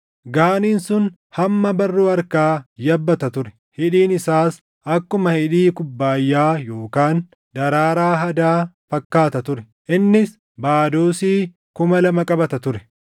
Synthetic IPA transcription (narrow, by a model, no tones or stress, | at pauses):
ɡaːniːnsʊn | hɐmːɐbɐrːuːɐɾkaːjɐbːɐt̪ɐt̪ʊɾɛ̥ | hɪᶑiːnɪsaːs | ɐkːʊmɐhɪᶑiːkʊbːaːjːaːjo̞ːkaːn | d̪ɐɾaːɾaːɦɐd̪aːfɐkːaːt̪ɐt̪ʊɾɛ | ʔɪnːɪs | baːd̪oːsiː | kʊmɐlɐmɐkʼɐbɐt̪ɐt̪ʊɾɛ̥